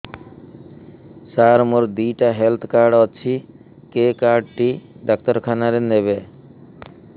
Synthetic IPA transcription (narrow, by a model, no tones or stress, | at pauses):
saɾmoɾd̪ijʈaɦelt̪ʰkaɾɖɔːt͡ɕʰi | kekaɾɖʈiɖak̚t̪ɔɾkʰanaɾeneβe